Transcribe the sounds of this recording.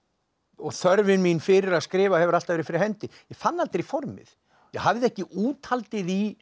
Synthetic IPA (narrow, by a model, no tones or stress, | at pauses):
ɔɣθœɾvɪnminfɪɾɪɾaðskɾɪːvahɛvʏɾal̥t̪avɛːɾɪfɪɾɪɾhɛnt̪ɪjɛɣfanːalt̪ɾifɔɾmɪ̰θ | jɛhavðɪɛhcɪʔuːt̪halt̪ɪði